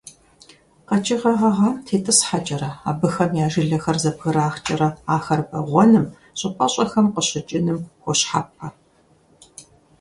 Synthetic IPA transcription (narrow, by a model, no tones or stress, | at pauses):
qɐt͡ʃʼɪʁɐʁɐʁamtʰeːtʼɨsħat͡ʃʼɐɾɐa̰ːbɨxɐmjaːʒɪɮɐxɐrzɐbɣɨɾaːxt͡ʃʼɐɾɐaːxɐrbɐʁʷɔnɨm | ɕʼɨpʼɐɕʼɐxɐmqəɕɪt͡ʃʼɪnɨmxʷɔɕħa̰ːp̚ɐ